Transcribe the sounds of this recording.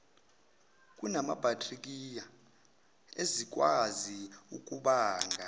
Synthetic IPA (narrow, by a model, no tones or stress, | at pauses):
kʼunama̰b̥ʱatʰʼrik̬ʼija | ezik̬ʼwaziukʼuɓaːŋɡʱa